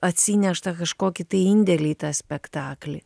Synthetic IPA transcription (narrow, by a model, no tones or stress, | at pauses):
ɐt̪ʲsʲinʲɛʃt̪ɐkɐʃkoːkʲɪt̪ɐɪɪnʲd̪ʲɛlʲiːt̪ɑːsʲpʲɛkt̪ɑːklʲɪ